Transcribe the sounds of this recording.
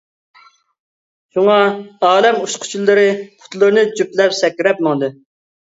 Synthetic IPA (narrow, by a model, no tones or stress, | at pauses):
ʃuŋɑɑːlɛmuʃqʰʊ̥t͡ʃʰulˠːɨɾɨqʰʊ̥t̪lˠɨɾɨnɨt͡ʃyplɛpsɛkʲːɪɾɛp̚mɑŋd̪ɨ